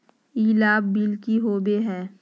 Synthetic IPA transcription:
iːlaːbːilkiɦoːbeɦɛ̃ː

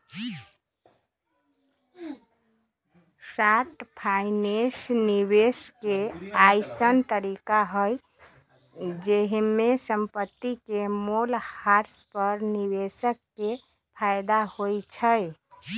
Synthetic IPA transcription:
saʈpʰaɪnesnibeskeajsənt̪əɾikaɦəj | d͡ʒeɦimesəmpət̪ːikemolhaɾspəɾniβesəkːe | pʰajd̪ahojt͡ʃʰəj

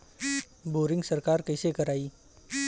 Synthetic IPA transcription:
boɾɪ̃ŋɡsəɾkaɾkəjsekəɾai

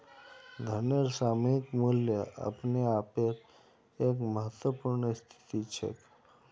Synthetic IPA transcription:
d̪ʱəneɾsaːmikmuljəʔə̰pneapeɾ | ekməɦət̪wəpuɾɳəst̪ʰi̥t̪it͡ʃʰḛk

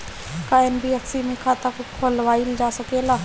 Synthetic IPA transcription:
kaenbieksimĩkʰat̪akokʰolʋaːild͡ʒaːsəkela

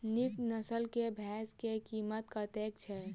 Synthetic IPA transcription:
niknəsəlkebʱɛskekiːmət̪kət̪ek̚t͡ʃʰɛ

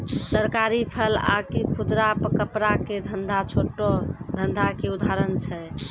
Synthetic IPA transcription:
səɾkaɾipʰəla̰kipʰud̪ɾapkəpɾaked̪ʱənd̪ʱat͡ʃʰoʈod̪ʱənd̪ʱakeud̪ʱaɾənt͡ʃʰɛ

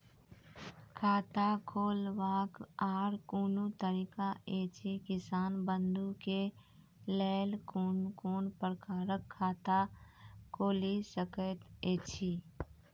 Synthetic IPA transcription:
kʰaːt̪akʰoːlʋaːkaːɾkuːnut̪əɾiːkaeːt͡ʃʰikɪsaːnbənd̪uke | lɛːlkuːnkoːnpəɾkaːɾəkʰːaːt̪akʰoːlisəkət̪eːt͡ʃʰiː

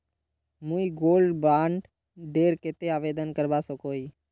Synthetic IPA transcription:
mũiɡoːlɖbaːɳɖ | ɖeːɾket̪eaːʋeːd̪ənkəɾbaːsokoːiː

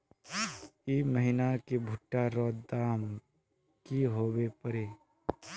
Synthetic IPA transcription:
iməɦinakebʱʊʈːaɾɔːd̪aːm | kiɦoːwepəɾeː

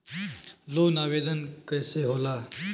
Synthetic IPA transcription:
loːnaːʋeːd̪ənkəjseɦoːlaː

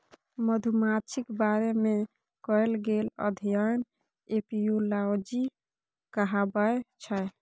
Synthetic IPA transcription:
məd̪ʱumat͡ʃʰikbaɾeme | kɔelɡelə̰d̪ʱijən | epijulawd͡ʒi | kəɦabəet͡ʃʰəj

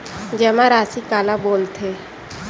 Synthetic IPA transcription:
d͡ʒɛːmãɾaːsikaːlaboːlt̪ʰe

